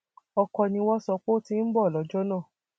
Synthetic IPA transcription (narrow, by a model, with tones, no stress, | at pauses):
ɔ˧kɔ˧nĩ˧wɔ˦sɔ˧k͡po˦tĩ˧n̩˦bɔ˦˨lɔ˨˦d͡ʒɔ˦nãː˦˨